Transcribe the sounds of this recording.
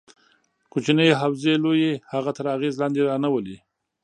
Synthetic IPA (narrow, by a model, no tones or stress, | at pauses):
kot͡ʃinəjɦawzelojehaɣat̪əɾaɣezlɑnd̪eɾɑnawəli